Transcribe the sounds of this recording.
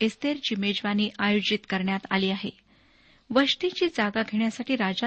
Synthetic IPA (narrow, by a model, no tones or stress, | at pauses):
est̪eɾd͡ʑimed͡ʑʋaniːʔajod͡ʑit̪kəɾɳjat̪a̰liːaɦe | ʋəʂt̪it͡ɕiːd͡zaɡaɡʱeɳjasaʈiːɾad͡ʑa